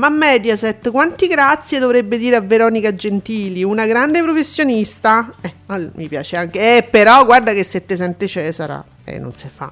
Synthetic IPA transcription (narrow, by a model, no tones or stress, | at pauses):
mamːɛd̪jasɛt̪ːkwant̪iɡɾat̪sːjed̪ovɾebːed̪iːɾeavːeɾɔːnikad͡ʒent̪iːliunaɡɾand̪epɾofesːjonist̪aɛalmipja̰ːt͡ʃeaŋkeɛpːeɾɔɡward̪akesːet̪ːes̬ɛnt̪et͡ʃɛːzaɾa̰ | ɛ̰nːo̰nsefa̰